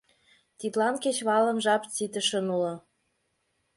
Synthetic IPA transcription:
t̪it̪lɑnket͡ɕβɑlə̆mʒɑpt͡sit̪ə̆ʃə̆nulɤ̆

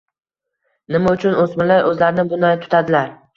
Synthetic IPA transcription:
nɪmaʊt͡ʃʰʊnosmɪlajʔɵzlaɾɪnɪbʊnajt̪ʰʊ̥t̪ʰad̪ɪlaɾ

